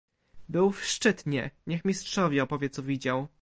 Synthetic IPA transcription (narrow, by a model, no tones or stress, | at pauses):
bɘwfʂt͡ʂɘt̪ɲɛɲɛxmʲistʂɔvʲjɛɔpɔvʲjɛt̪sɔvʲid͡ʑaw